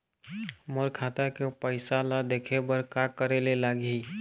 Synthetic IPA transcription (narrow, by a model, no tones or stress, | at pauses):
məɾkʰaːt̪akepəɪsalad̪ekʰebəɾkakəɾelelaːɡi